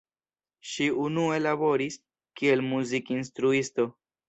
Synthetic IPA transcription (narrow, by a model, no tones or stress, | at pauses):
ʃiunue̞labo̞ɾis | kie̞lmuzikinstɾuisto̞